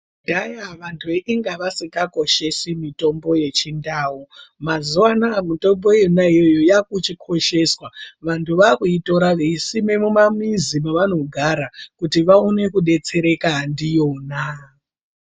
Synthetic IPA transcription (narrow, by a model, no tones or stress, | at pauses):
dajaʋantʰueʔiŋɡaʋasikako̞ʃe̞simito̞mbo̞je̞t͡ʃindaːumazuwanamito̞mbo̞jonaijojo̞jakut͡ʃikʰo̞ʃe̞swaʋantʰuʋakuito̞ɾaʋesime̞mumamizimaʋano̞ɡʱaɾakutiʋaonekuɗe̞t͡se̞ɾe̞kaɦandijo̞ːna